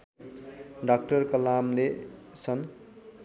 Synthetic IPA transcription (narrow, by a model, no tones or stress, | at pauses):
ɖʌk̚ʈʌrkʌlamlesʰʌn